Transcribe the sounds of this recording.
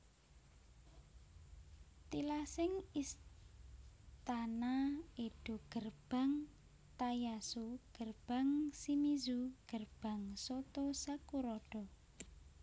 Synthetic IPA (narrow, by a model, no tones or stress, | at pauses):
t̪ilasɪŋis | t̪anaiɖ̥ṳɡ̥ərb̥a̤ŋ | t̪ajasuɡ̥ərb̥a̤ŋsimizuɡ̥ərb̥a̤ŋsɔt̪ɔsakuɾɔɖ̥ɔ